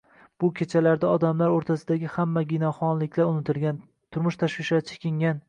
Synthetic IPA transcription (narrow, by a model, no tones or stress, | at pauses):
b̥ʊkʲʰe̞t͡ʃʰalaɾd̪aɒd̪amlaɾoɾt̪ʰasɪd̪aɡʲɪhamːaɡʲinɒχɒnlɪkʲʰlaɾʊnɪt̪ʰɪlɡʲan | t̪ʰʊɾmʊʃt̪ʰaʃwɪʃat͡ʃʰɪ̥kʲʰɪŋʲan